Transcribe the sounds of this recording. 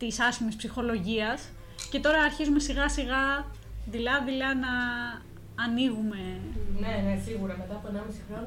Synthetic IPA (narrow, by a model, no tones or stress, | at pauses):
t̪isɐsçimispsixo̞lo̞ʝiɐs | ce̞t̪o̞ɾɐːɾçizume̞siɣɐsiɣɐ | ðilɐðilɐnɐː | niɣume̞ne̞nesiɣuɾɐme̞t̪ɐpoenɐmisixɾo̞n